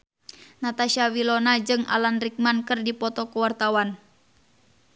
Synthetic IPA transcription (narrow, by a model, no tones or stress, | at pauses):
nat̪aʃawilɔnad͡ʒɨŋa̰lanrik̚mankɨrdipɔt̪ɔkuwart̪awan